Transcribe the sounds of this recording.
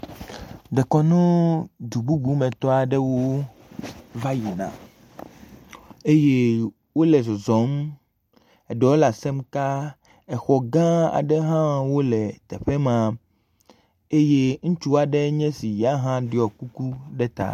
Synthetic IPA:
d̪ɛ˨kɔ˦nũ˦d̪u˨bu˦bu˦mɛ̃˨t̪ɔ˦a˨ɖɛ˦wo˦ | va˦ji˨nã̰˨ | e˦je˦ | wo˦lɛ˨zɔ˨zɔ˨˦m | ɛ˨ɖɔ˨wo˦la˨sɛ˦mka˦ | ɛ˨xɔ˨ɡã˦a̰˨ɖɛ˦ɦã˦wo˦lɛ˨t̪ɛ˨ɸɛ˦mã˨ | e˦je˦ŋ̩̃˦t͡ʃu˦a˨ɖɛ˦ɲɛ̃˦si˨ja˦ɦã˦ɖi˦ɔ˨ku˦ku˦ɖɛ˦t̪a̰˦˨

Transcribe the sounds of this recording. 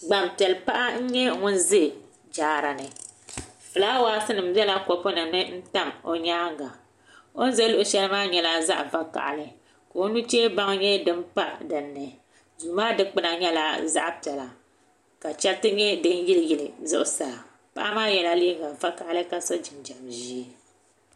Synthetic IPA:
ɡ͡ba˨mpi˨ɛ˨lpa˦ʔa˦ɲ̩˦ɲɛ˦ŋʊ˦nzɨ˦˨ | d͡ʒaː˨ɾa˨nɨ˨ | fɨ˨laː˦waː˦sɨ˦nɨ˨m̩˦bɛ˦la˦ko˨po˦nɨ˨nɨ˦n̩˦ta˦mo̰˦ɲaː˦ŋɡa˨ | o˦n˦ze˦lʊ˦ʔʊ˨ʃɛ˦lmaː˦ɲɛ˦la˦za̰˦ʔva˦ka̰˨ʔa̰˨lɨ˦ | ka˨o˦nu˦t͡ʃeː˦ba˦ŋ˦ɲɛ˦dɨ˦mk͡pa˦dɨ˨nːɨ˨ | zu˨maː˦dɨ˦k͡pɨ˦na˨ɲɛ˦la˦za̰˦ʔpɛ˨la˨ | ka˨t͡ʃɛ˦tɨ˦ɲɛ˦dɨ˦n˦jɪ˦ljɪ˦lɨ˨zʊ̰˦ʔʊ˨sa˨ | pa̰˦ʔa˦maː˦jɛ˨la˦li˦ŋɡa˨va˦ka˨ʔa˦lɨ˦ka˨so˦d͡ʒɪ˨md͡ʒa˨mʒi˦e˦

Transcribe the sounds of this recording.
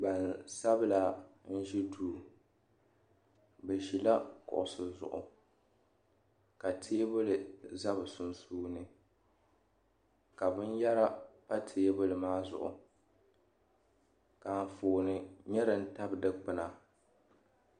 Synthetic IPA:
ba˨nsa˦bɨ˦la˦n̩˦ʒi˦duː˨ | bɛ˨ʒi˨la˦kʊ̰˨ʔʊ˨sɨ˨zʊ̰˨ʔʊ̰˨ | ka˨tʰeː˦bʊ˦lɨ˨za˦bɨ˨su˨nsuː˦nɨ˨ | ka˨bɨ˦n˦ja˦ɾa˦pa˦tʰeː˦bʊ˦lɨ˨maː˦zʊ̰˨ʔʊ̰˨ | ka˨n˨foː˨nɨ˨ɲɛ˦ɾɨ˦n̩˦ta˦bdɨ˦k͡pɨ˨na˨

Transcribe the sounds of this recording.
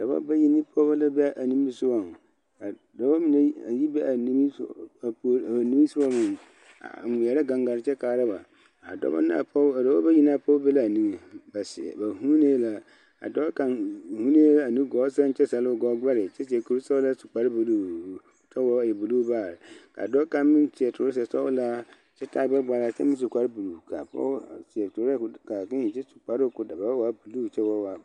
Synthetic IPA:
da˨ba̰˦ba˦ji˦ni˦pʰɔ˦ba˦la˦bɛ˦a˦ʔa˨nĩ˦m˦bi˨sʊ˦wa˨ | a˨ | dɔ˨˦ba˦mi˨na˦a˨ji˦bɛ˦a˨ni˦i˦˨˦ | nĩ˦mi˦su˦ba˦mʊ̃˨ | a̰˨mʊ˨jɛ˨ɾa˦ɡã˨ŋɡa˨ɾɪ˨t͡ʃɛ˦kaː˨ɾa˦ba˨ | a̰˨dɔ̰˦ba̰˦na˦˨pɔ˦a˨dɔ˦a˦ba˦ji˦n˦a˨pʰɔ˦bɛ˦la˦a˨nĩ˦˨ba˨sɪ̰˨ba˨hũ˦neː˦la˦ | a̰˨dɔ˦ka˨hũ˦neː˦a˨nĩ˦ɡɔː˨˦sa˦n̩˦t͡ʃʰɛ˦sa˨lʊ˦˨ɡɔ˦ɡa˦ɾɪ˨t͡ʃʰɛ˦t͡ʃi˨ɛ˨kʰu˨ɾsɔ˦wla˦su̥˨k͡pa˨˦ɾbu˨lu˦˨t͡ʃʰɛ˦wɔ˦˨jɛ˨bu˨luː˦baː˦˨ɾkʰa̰ː˨dɔ˦kã˦mɪ̃˦n˦tʰi˨ɛ˨tʰʊ˨ɾs̬ɛ˨sɔ˦la˦ | t͡ʃʰɛ˦tʰa˦ɡ͡bɛ˦ɡ͡ba˨ɾa˨sɛ˦mɪ̃˦s̬u˨kʷʰa˨ɾbu˨lu˨kʰa̰˨pɔ̰˦sɪ˨ɛ˨tʰʊ˨ɾɛ˦˨ka˨kã˦i˨t͡ʃɛ˦su̥˨k͡pa˨ɾɪ˦kʊ˦da˨ba˨˦wa˨˦bu˨lu˦˨t͡ʃʰɛ˦wɔ˦wa˨

